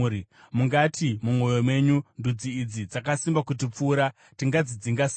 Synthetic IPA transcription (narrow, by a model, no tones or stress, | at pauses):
i | muŋɡatʰimumwo̞jo̞mwe̞ɲundud͡ziːd͡zid͡zakasimbakut̬ip͡fuːɾa | tiŋɡad͡zid͡ziŋɡas